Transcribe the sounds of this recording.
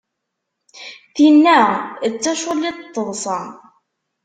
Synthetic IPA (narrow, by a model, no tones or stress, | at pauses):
θinːæt͡sːæʃʊlːid̪t̪ˤːəðˤsˤɑ